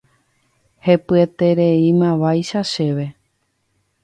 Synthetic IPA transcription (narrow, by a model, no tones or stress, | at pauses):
he̞pɨet̪e̞ɾe̞imãʋajʃaʃe̞ʋe̞